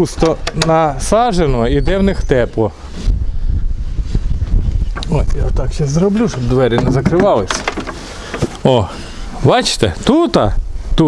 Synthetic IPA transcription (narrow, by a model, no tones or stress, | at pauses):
ust̪ɔnɐsɑʒenɔid̪ɛwnɪxt̪ɛplˠɔ | ɔsʲjat̪ɑkʃɛzɾɔblʲuʃɔbd̪ʋɛɾʲɪnɛzɐkɾɪʋɑlˠɪsʲ | ɔ | bɑt͡ʃɪ̥t̪ɛt̪ut̪ɑt̪u